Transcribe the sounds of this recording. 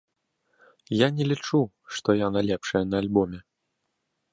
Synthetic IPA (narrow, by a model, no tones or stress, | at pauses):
janʲɛlʲit͡ʂu | ʂt̪ɔjanalʲɛpʂɐjɐnɐːlʲbɔmʲɛ